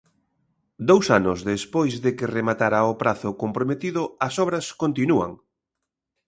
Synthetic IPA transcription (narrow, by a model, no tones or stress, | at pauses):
d̪owsanʊzðespojzðɪkɪremat̪aɾaopɾaθʊkompɾomet̪iðʊɐsɔβɾɐskont̪inua̰ŋ